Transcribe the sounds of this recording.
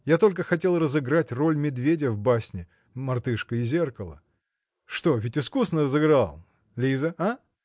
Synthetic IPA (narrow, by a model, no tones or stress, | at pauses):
jat̪o̞lʲk̬əxɐtʲe̞lˠrəzɨɡɾatʲro̞lʲmʲɪd̪vʲedʲɪəvbasʲnʲɪ | mɐrt̪ɨʂkəɪzʲe̞rkəlˠə̰ | ʂt̪o̞vʲɪtʲɪskusnərəzɨɡɾalˠ | lʲizəa